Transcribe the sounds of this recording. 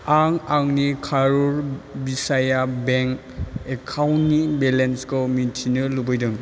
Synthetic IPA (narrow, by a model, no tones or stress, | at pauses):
aŋaŋnikʰaɾuɾbisajabeŋ | ekʰawnːibelenskɔmintʰinɯɾlubɔjdɯŋ